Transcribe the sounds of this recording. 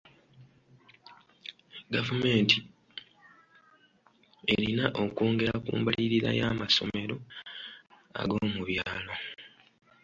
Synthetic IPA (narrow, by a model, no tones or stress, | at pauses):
ɡavume̞ːnti | e̞ɾinaʔo̞koːŋɡe̞ɾakṵːmbaliɾiɾa̰jaːmaso̞me̞ɾo̞ | a̰ɡo̞ːmuβjaːlo̞